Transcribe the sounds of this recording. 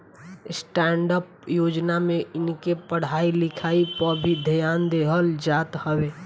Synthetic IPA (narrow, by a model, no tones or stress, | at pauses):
sʈɛːɳɖəpjod͡ʒnamẽɪnkepəɽ̤aːilɪkʰaːipəɾbʱid̪ʱəjaːnd̪eɦəld͡ʒaːt̪həweː